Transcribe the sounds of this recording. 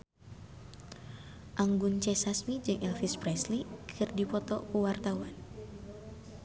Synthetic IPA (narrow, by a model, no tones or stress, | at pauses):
ʔaŋɡunt͡ʃɛsasmid͡ʒɨŋʔɛlfispɾɛslikʰɨrdipɔt̪ɔkuwart̪awan